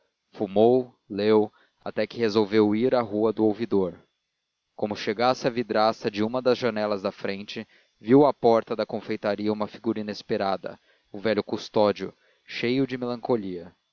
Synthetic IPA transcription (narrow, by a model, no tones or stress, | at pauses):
fumow | lew | a̰t̪ɛkɪhezowvewiɾɐɦuɐd̪ʊowvid̪oɾ | kõmʊʃeɡasɪɐvid̪ɾasɐd͡ʒɪũmɐd̪ɐzʒɐnɛlɐzd̪ɐfɾẽnt͡ʃɪ | viwɐpɔɾt̪ɐd̪ɐkõfejt̪aɾiɐũmɐfiɡuɾɐinespeɾad̪ɐ̰ | ũvɛʎʊkust̪ɔd͡ʒiʊ̰ | ʃejʊd͡ʒɪmelɐ̃ŋkoliɐ